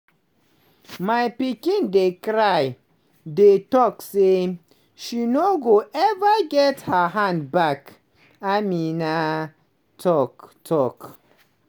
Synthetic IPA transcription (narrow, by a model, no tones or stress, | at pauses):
majpikĩndekɾaj | detɔkse | ʃinoɡoʔɛvəɡɛthəɦãnd̚bak | amina | tʰɔktʰɔk